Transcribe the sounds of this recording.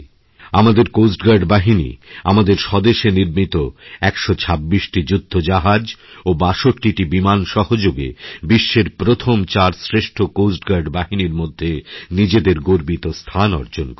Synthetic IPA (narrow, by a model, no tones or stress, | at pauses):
amad̪eɾkosʈɡaɾɖbaɦinḭa̰mad̪eɾʃɔd̪eʃeniɾmit̪oɛkʃot͡ɕʰabːiʃʈid͡ʑud̪ʱːod͡ʑaɦad͡ʑobaʃoʈːiʈibimanʃɔɦod͡ʑoɡḛbiʃːeɾpɾot̪ʰomt͡ɕaɾsɾeʃʈʰokosʈɡaɾɖbaɦiniɾmod̪ʱːenid͡ʑed̪eɾɡoɾbit̪ost̪ʰanɔ̰ɾd͡ʑonk